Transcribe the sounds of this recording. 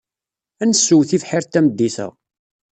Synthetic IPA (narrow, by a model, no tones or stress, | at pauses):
ænəsːuwθivħɪɾt̪ːæməd̪ːiθə̰ʁ